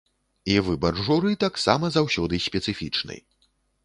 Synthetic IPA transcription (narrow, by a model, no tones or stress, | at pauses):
ivɨbɐrʐuɾɨt̪aksamɐzawsʲɔd̪ɨsʲpʲɛt̪sɨfʲit͡ʂnɨ̰j